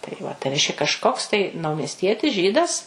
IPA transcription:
tɐɪ ʋɐ tɐɪ ˈrʲɛɪʃʲkʲɛ kɐʃˈkoːks tɐɪ nɐʊmʲiɛsʲˈtʲiɛtʲɪs ˈʒʲiːdɐs

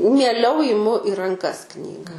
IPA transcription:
mʲiɛˈlʲɛʊ ɪˈmʊ ɪ rɐŋˈkɐs ˈknʲiːɡɐ

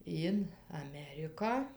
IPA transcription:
ɪn ɐˈmʲæːrʲɪkɑː

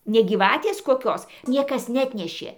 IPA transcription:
nʲɛ ɡʲiːˈʋɑːtʲeːs koːˈkʲoːs ˈnʲiɛkɐs nʲɛˈɑːtʲnʲɛʃʲeː

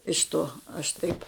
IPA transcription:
ɪʃ ˈtoː ɐʃ ˈtɐɪp

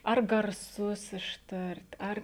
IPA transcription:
ɐr ɡɐrˈsʊs ɪʃˈtɐrʲtʲ ˈɐr

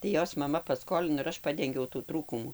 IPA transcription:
tɐɪ ˈjoːs mɐˈmɐ pɐˈskoːlʲɪnoː ɪr ˈɐʃ ˈpɑːdʲɛŋʲɡʲɛʊ tuː ˈtruːkʊmuː

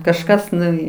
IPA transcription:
kɐʃˈkɐs nʊˈʋʲiː

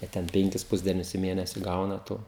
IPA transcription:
ɐ ˈtʲɛn ˈpʲɛŋʲkʲɪs ˈpʊzʲdʲiɛnʲʊs ɪ ˈmʲeːnʲɛsʲɪ ˈɡɐʊnɐ toː

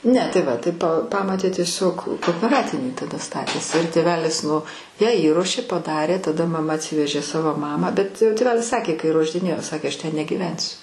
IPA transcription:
ˈnʲɛ tɐɪ ˈʋɐ tɐɪ p ˈpɑːmoːtʲeː tʲiɛˈsʲoːk koːoːpʲɛˈrɑːtʲɪnʲiː tɐˈdɐ ˈstɑːtʲeːsʲɪ ɪr tʲeːˈʋʲæːlʲɪs nʊ jæː iːˈruɔʃʲeː pɐˈdɑːrʲeː tɐˈdɐ mɐˈmɐ ɐtʲˈsʲɪʋʲɛʒʲeː ˈsɑːʋoː ˈmɑːmɑː bʲɛt tʲeːˈʋʲæːlʲɪs ˈsɑːkʲeː kɐɪ ruɔʒʲdʲɪˈnʲeːjoː ˈsɑːkʲeː ˈɐʃ ˈtʲɛn nʲɛɡʲiːˈʋʲɛnʲsʲʊ

